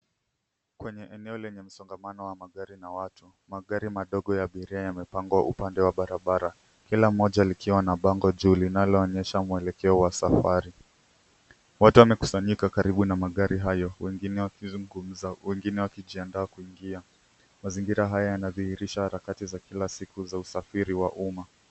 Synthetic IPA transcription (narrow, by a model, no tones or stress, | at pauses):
kwɛɲɛʔɛnɛɔlɛɲɛm̩sɔŋɡamanɔwamaɠaɾinawatʰu | maɠaɾimaɗɔɠɔjaɓiɾiajamɛpaŋɡwaʔupandɛwaɓaɾaɓaɾa | kilam̩ːɔʄalikiwanaɓaŋɡɔʄulinalɔːɲɛʃamuɛlɛkɛɔwasafaɾi | watuwamɛku̥saɲikakaɾiɓunamaɠaɾiɦajɔwɛɡinɛŋɡum̩awɛŋɡinɛwakiʄiandaːkuiŋɡia | maziŋɡiɾaɦajajanaðiiɾiʃahaɾakatizakilasikuzausafiɾiwaʔuma